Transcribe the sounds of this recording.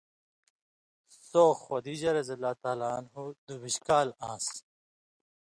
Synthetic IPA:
soxwɐd̪iʑɐɾɐzɐlːaːt̪aːlaːnɦud̪ubiɕkaːlãːs

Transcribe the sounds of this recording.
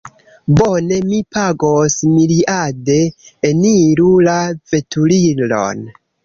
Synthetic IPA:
bone̞mipaɡosmiliʔade̞ːniɾulave̞tʰulilo̰n

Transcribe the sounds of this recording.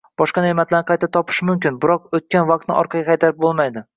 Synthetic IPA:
b̥ɒʃqɑnemat̪laɾnqʰɑjt̪ʰat̪ʰɒpʰɪ̥ʃmʊmkʲɪnbɪɾɒq̚ot̪̚kʲanvaq̚t̪nɪ̰ʔɒ̰ɾqʰɑɡʲaqʰɑjt̪aɾɪp̚bolˠmajd̪ɪ

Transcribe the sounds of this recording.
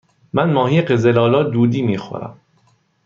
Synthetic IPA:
mænmɒːɦiːɢezelɒːlɒːd̪uːd̪iːmiːxo̰ɾæ̰m

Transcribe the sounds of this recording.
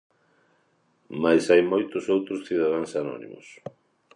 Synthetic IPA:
majsajmojt̪ʊsowt̪ɾʊsθiðaðaŋsanɔ̰nḭ̃mʊ̰s

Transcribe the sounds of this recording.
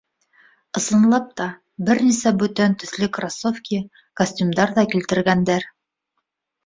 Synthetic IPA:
ɤ̆sɤ̆nlˠɑp̚t̪ɑ | bɘɾnisæbʉt̪ænt̪ɵ̆θlɘkrasofkʲi | kosʲtʲumd̪ɑɾðɑkilt̪ɘ̆ɾɡænd̪æɾ

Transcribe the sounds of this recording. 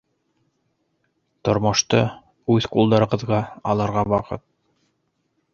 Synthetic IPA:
t̪ŏɾmŏʃt̪ɤ | ʉðqulˠd̪ɑɾɤ̆ʁɤ̆ðʁɑɑlˠɤ̆ɾʁɑwɑqɤ̰t̪̚

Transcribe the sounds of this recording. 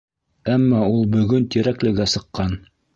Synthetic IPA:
æmːɑulˠbɵ̆ɡɵnt̪iɾæklɘ̆ɡæsɤ̆qːɑn

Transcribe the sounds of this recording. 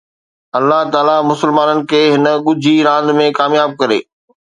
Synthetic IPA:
ɐlːaɦt̪aːlamʊsɪlmaːnənɪ̆kʰeːɦɪnə̆ɠʊd͡ʑʱiɾãːnd̪mẽkaːmjaːb̚kɐɾḛː

